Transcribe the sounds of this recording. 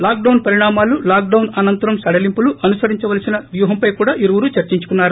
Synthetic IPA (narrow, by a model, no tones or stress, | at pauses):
laːk̚ɖɐwnpɐɾiɳaːmaːlulaːk̚ɖɐwnɐnɐnt̪ɐɾɐmsɐɽɐlimpuluʔɐnusɐɾiɲt͡ʃɐʋɐlɐsinɐʋjuːɦɐmpɐjkuːɽaːʔiɾuwuɾut͡ʃɐɾt͡ʃiɲt͡ʃu̥kunːaːɾu